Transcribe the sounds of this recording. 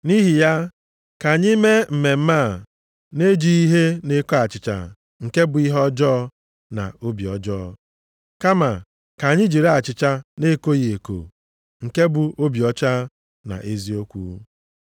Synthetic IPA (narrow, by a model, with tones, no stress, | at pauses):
ni˦ɦi˨ja˦ | ka˨ɲɪ˦me˦m̩˨me˨m̩˦ma˦˨ | ne˦d͡ʒi˨˦i˦ɦe˦ne˦ko˦a˨t͡ʃɪ˨t͡ʃa̰˨ | ŋ̩˨ke˦bʊ˨i˦ɦɔ˦d͡ʒɔː˦ | na̰˨o˦bi˨ɔ̰˨d͡ʒɔ˦˨ | ka˦ma˨ | ka˨ɲɪ˦d͡ʒi˨ɾe˦a˨t͡ʃɪ˨t͡ʃa˦ne˦ko˦je˨ko̰˨ | ŋ̩˨ke˦bʊ˨o˦bi˨ɔ˦t͡ʃa˦ | na̰˨ʔe˦zi˦o˦kʷṵ˦